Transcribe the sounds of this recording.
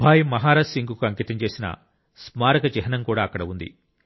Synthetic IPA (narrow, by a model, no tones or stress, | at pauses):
bʱaːjimɐɦaːɾasiŋɡukuɐŋkiːt̪ɐɲt͡ʃe̞ːsinɐ̰ | smaːɾɐɡɐd͡ʒɛɦɐnɐmkuːɽaːɐkːɐɽɐund̪ḭ